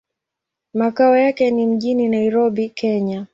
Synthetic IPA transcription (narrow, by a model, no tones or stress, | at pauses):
makaɔjakɛnim̩ʄininaiɾɔɓikʰɛɲa